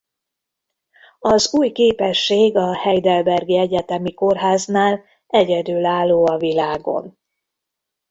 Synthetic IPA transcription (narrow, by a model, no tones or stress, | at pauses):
ɒzuːjkeːpɛʃːeːɡɒhɛjd̪ɛlbɛrɡiɛɟɛt̪ɛmiko̞rɦaːznaːl | ɛɟɛd̪ylaːlːoːɒvilaːɡo̞̰n